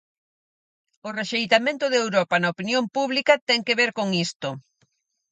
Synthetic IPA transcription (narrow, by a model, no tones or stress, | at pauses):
ʊreʃejt̪amẽnt̪ʊðewɾɔpɐnɐopinjompuβlikɐt̪ɛŋkeβeɾkoŋist̪ʊ